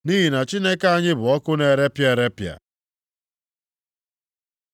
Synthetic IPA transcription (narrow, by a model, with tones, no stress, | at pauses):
ni˦i˨na˨t͡ʃɪ˦nɛ˦ka˦a˦ɲɪ˦bʊ˨ɔ˦kʊ˦nɛ˦ɾɛ˦pja˦ɛ˦ɾɛ˦pja̰˨